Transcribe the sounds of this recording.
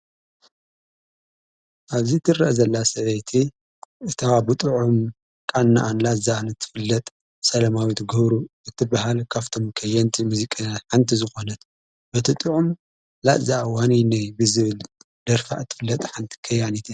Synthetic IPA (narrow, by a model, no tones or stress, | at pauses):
ʔaβzit̪ʰɨrɐʔzɐlːasɐβɐjt̪ʰi | ɨt̪ʰabɨt̪ʼɨʕum | kʼanːa̰ʔanlazanɨt̪ʰɨ̥fɨlːɐt̪ʼ | sɐlɐmawit̪ɡɐβɾuɨt̪ʰːɨbahalkʰaft̪ʰo̞mkʰɐjːɐnt̪ʰimuzikʼajatħant̪ʰizɨxo̞nɐt̪ | bɐt̪ʰɨt̪ʼɨʕum | la̰ʔzaʔwaninajbɨzɨβɨl | d̪̥ɐɾfa̰ʔɨt̪ʰːɨ̥fɨlːɐt̪ʼħant̪ʰi̥kʰɐjːanit̪ʰi